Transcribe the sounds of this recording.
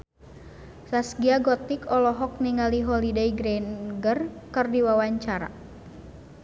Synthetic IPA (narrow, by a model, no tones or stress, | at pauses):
sasɡiaɡɔt̪ikɔlɔɦɔk̚niŋaliɦɔlideiɡɾɛnɡərkɨrdiwawaɲt͡ʃaɾa̰